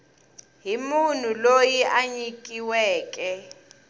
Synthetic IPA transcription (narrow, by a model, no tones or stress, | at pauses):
ɦimun̤ulojiʔaɲikʼiwɛːkʼɛ